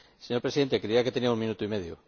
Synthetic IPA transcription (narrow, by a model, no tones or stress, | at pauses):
seɲo̞ɾpɾsiðe̞nt̪ekɾeiake̞t̪eniauŋmĩnut̪oimeð̞jo̰